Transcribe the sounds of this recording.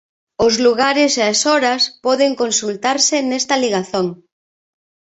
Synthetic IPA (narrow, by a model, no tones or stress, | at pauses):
ʊzluɣaɾɪseasɔɾɐspɔðeŋkonsult̪aɾsɪnɛst̪ɐliɣ̞aθoŋ